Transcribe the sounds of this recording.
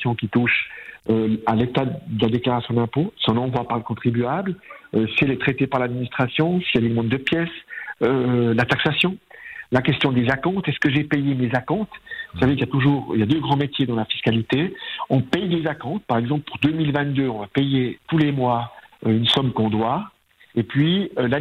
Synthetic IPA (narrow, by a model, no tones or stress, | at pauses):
jɔ̃kʲit̪uʃøalet̪ad̪əlad̪eklaʁasjɔ̃d̪ɛ̃posɔ̃nɑ̃vwapaʁləkɔ̃t̪χibyabløsiɛlɛt̪χɛt̪epaʁlad̪minist̪χasjɔ̃sijad̪elmɑ̃t̪d̪əpjɛsølat̪aksasjɔ̃lakʲɛst̪jɔ̃d̪ezakɔ̃t̪ɛskəʒepɛjemezakɔ̃t̪vusavekljat̪uʒuːʁḭljad̪øɡʁɑ̃met̪jed̪ɑ̃lafi̥skalit̪eɔ̃pɛjd̪ezakɔ̃t̪̚paʁɛɡzɑ̃plpuʁd̪ømilvɛ̃t̪̚d̪øɔ̃vapejet̪ulemwaøynsɔmkɔ̃d̪wa | epɥiøla